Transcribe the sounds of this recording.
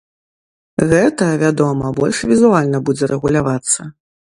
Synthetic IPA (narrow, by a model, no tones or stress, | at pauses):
ɣɛt̪ɐɐvʲad̪ɔmɐbɔlʲʂvʲizualʲnɐbud͡zʲɛɾʔɛɣulʲavat̪sːɐ